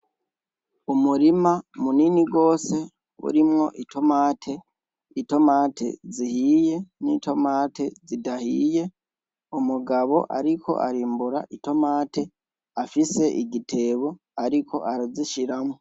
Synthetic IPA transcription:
umuɾimamuniniɡo̞ːse̞ | ṵɾimŋo̞ʔitʰo̞maːtʰe̞ | ito̞maːtʰḛzihije̞nitʰo̞maːtʰe̞zidahije̞ | umuɡaβo̞ʔa̰ɾikʰo̞̰ʔaɾiːmbuɾa̰ʔito̞maːte̞ | afise̞ʔiɡitʰe̞ːβo̞ | aɾiko̞̰ʔaɾaziʃiɾamŋo

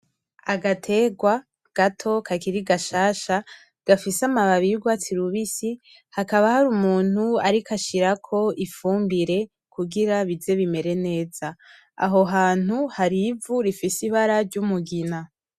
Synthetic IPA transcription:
aɡatʰe̞ɡwa | ɡ̥atʰo̞kʰakiɾiɡaʃaːʃa | ɡ̥afisamaβaβiuɡwat͡siɾuβisi | hakaβahaɾumuːn̥huaɾikaʃiɾakʰo̞ifuːmbiɾe̞ | kʰuɡiɾaβize̞βime̞ɾe̞ne̞ːz̥a | a̰ɦo̞ɦaːn̥huhaɾivuɾifisiβaɾaɾɟumuɡina

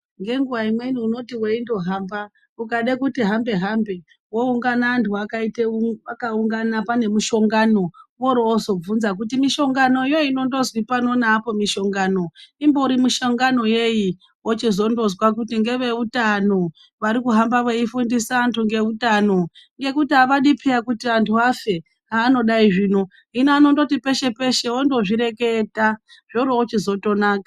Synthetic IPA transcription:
ŋɡe̞ŋɡuʋaimwe̞niuno̞tiweindo̞ɦaːmba | ukaɗekutiɦambe̞ɦambe̞ | wo̞uŋɡanaːntʰuakaiteakauŋɡanapane̞muʃo̞ŋɡano̞woɾoozo̞b͡vunzak̬utimiʃo̞ŋɡano̞jo̞ino̞ndo̞zwipano̞naːpo̞miʃo̞ŋɡaːno̞imbouɾimuʃoŋɡano̞je̞ji | wot͡ʃizo̞ndo̞zwak̬utiŋɡe̞ʋe̞utano̞ | ʋaɾikuɦambaʋeifundisaːntʰuŋɡe̞utano̞ | ŋɡe̞kutiɦaʋaɗipʰiakutiantʰuafe̞ | ɦaːno̞ɗaiʐiːno̞ | inaano̞ndotipe̞ʃe̞pe̞ʃe̞ondo̞ʐiɾe̞ke̞taʐ̥oɾoot͡ʃizo̞to̞naːkḁ

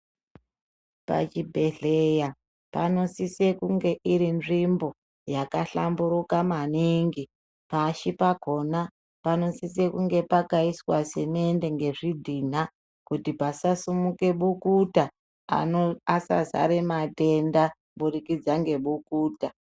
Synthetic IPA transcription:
pa̰t͡ʃibʱe̞ɮeja | pano̞sisekuŋɡe̞ʔiɾinʐimbo̞ | jakaɬa̰mbuɾukamaniŋɡi | paʃipaɡʱo̞na | pano̞sise̞kuŋɡe̞pakaiswase̞mende̞ŋɡe̞ʐidʱin̤a | kutipasasumuke̞ɓukuta | a̰oasa̰za̰ɾemate̞nda | ɓurikid͡zaŋɡe̞ɓukuːta

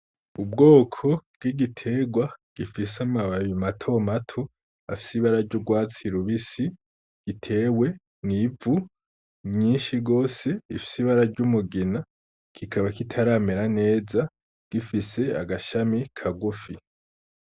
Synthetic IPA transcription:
ub̚ɡo̞ːkʰo̞b̥̚ɡiɡitʰe̞ːɡwaɡ̥ifisamaβajimatʰo̞matʰo | a̰fi̥siβaɾaɾɟuɡwaːt͡siɾuβisi | ɡ̥itʰe̞ːwe̞ | nivu | mɲiːnʃiɡo̞ːse̞ifi̥siβaɾaɾɟumuɡina | kʰikʰaβakitʰaɾameɾane̞ːza | ɡ̥ifise̞a̰ɡaʃamikʰaɡufi

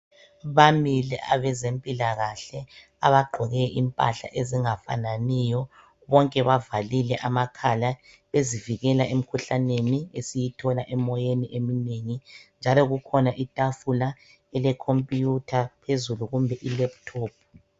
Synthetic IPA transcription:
βamilɛ̰ʔa̰βɛzempʼilaɣaɬɛ | aβaɡ͡ǃʱɔɣɛʔimpʼa̰ɬa̰ʔeziŋafa̰nanijɔ | βɔŋkʼɛβavalilɛʔamakʰala | βeziviɣɛlaem̩kʰuɬaneniesijitʰɔlaʔɛmɔjeniʔemineŋind͡ʒʱalɔɣukʰɔnaʔitʼafula | ɛlɛkʰompʼijutʰapʰezuluɣumbʱɛʔilɛp̚tʰoːpʰ

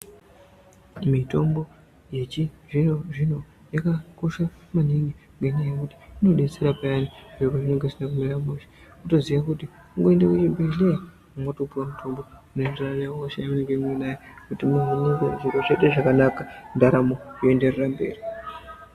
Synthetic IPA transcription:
mito̞mbo̞ | je̞t͡ʃiʐinoʐino̞ | jakako̞ʃamaniŋɡiŋɡeɲaajekuti̥ino̞ɗe̞t͡se̞ɾapajaniʐekoʐineŋɡesinakumiɾamuʃe̥ | uto̞ziʋakuti | uŋɡo̞endakut͡ʃibʱeɮea | uŋɡatopuramutʰo̞mbo̞unendranawoʃejamuneŋɡemwenajekutimuɦaniŋɡo̰ʐuɾot͡ʃe̞teʐakanakandaɾamojoe̞nde̞rerambe̞̰ːri

